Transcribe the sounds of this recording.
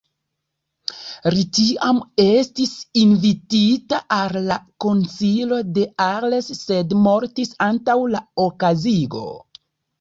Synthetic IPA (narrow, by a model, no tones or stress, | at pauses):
ɾitiame̞stisinvititaʔalːako̞nsilo̞de̞aɾlesːe̞dmo̞ɾtisantawlaokaziɡo̞̰